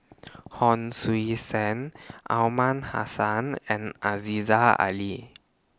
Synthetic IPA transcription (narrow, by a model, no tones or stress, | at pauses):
hɔnsuisɛnʔa̰wmanha̰sanʔɛ̃nʔazizaa̰li